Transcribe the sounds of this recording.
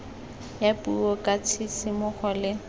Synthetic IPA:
japʼuɔkʼat͡sʰisɪmʊχɔlɪ

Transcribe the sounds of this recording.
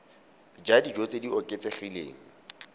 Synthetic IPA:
d͡ʒadid͡ʒot͡sʼediɔkʼet͡sʼeχilḛːŋ̩

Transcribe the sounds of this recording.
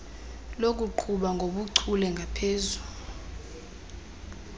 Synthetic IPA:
lok̬ʼuǃʰuɓaŋɡʱoɓuǀʰulɛŋɡʱapʰeːzu

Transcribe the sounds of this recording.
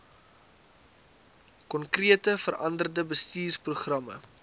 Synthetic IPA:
kɔnkriətəfərʔɐndərdəbəstiːrpruχrɐmə̰

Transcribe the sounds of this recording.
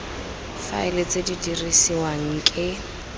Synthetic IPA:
fa̰ɪlɪt͡sʼedidirisiwaŋ̩kʼɪ

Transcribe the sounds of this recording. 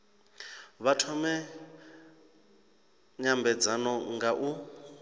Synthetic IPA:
βatʰɔmɛ | ɲambɛd͡zanɔŋɡaʔu

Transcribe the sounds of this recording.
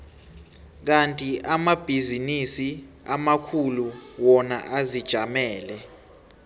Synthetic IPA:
k̬antʼiʔamab̥ʱizinisi | amakʰuluwɔna̰ʔazid̥ʒ̥ʱamɛːlɛ

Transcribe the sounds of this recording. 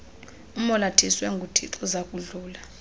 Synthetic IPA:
umɔlatʰiswɛŋɡʱutʰḭǀʰɔzakʼuɮuːla

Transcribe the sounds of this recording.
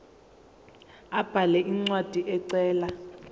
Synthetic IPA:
ab̥ʱalɛʔiŋ͡ǀwad̥ʱiʔɛǀɛːla

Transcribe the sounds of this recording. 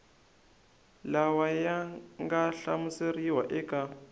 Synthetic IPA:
lawajaŋɡaɬamuseriwa̰ʔɛkʼa

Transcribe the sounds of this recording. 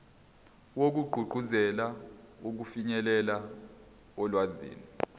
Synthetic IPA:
wok̬uɡ͡ǃʱuɡ͡ǃʱuzɛlauk̬ufiɲɛlɛla | ɔlwazḭːni

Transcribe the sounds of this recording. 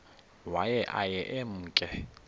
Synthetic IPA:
wajɛʔajɛʔem̩ːkʼɛ

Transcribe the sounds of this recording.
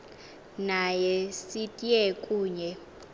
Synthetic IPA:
najɛsitʼiɛkʼuːɲɛ

